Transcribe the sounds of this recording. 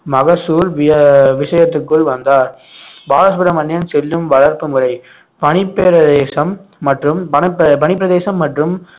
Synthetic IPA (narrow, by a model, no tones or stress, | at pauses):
mɐɣɐsuːɾʋɪɐʋɪʂɐjɐt̪ːɯkːɯɭʋɐnd̪aːɾ | baːlɐsbɯɾɐmɐnjɐnsɛlːɯmʋɐɭɐɾpɯmɯɾɐɪ | pɐɳɪpːeːɾɐðeːsɐmːɐʈrɯmpɐnɐpːɐpɐnɪp̬ːɪɾɐðeːsɐmːɐʈrɯm